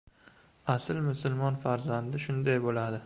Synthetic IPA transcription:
asɪlmʊsʊlˠmɒnfaɾzand̪ɪʃʊnd̪ajbolad̪ɪ

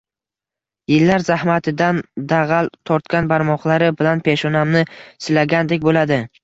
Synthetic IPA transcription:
jɪlːaɾzahmat̪ʰɪd̪and̪aʁalˠt̪ʰɒɾt̪kʲanbaɾmɒqlˠaɾɪbɪlanpʰe̞ʃɒnamnɪsɪlaɡʲand̪ekʲbolad̪ɪ

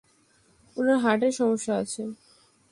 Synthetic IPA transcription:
unaɾɦaʈeɾʃɔmoʃːaat͡ɕʰe

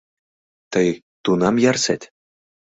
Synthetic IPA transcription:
t̪ɤj | t̪unɑmjɑrsʲætʲ

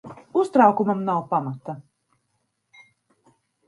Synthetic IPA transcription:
ust̪ɾawkumamnawpamat̪a

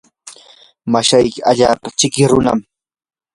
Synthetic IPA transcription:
maʃajkɪaʎaːpat͡ʃɪkɪɾʊna̰m

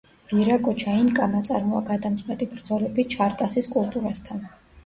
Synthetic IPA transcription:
b̥iɾakʼɔt͡ʃʰainkʼamat̪sʼa̰ɾmɔaɡad̪amt̪sʼqʼwɛt̪ʼibɾd̪zɔlɛbit͡ʃʰaɾkʼasiskʼulˠt̪ʼuɾast̪ʰan

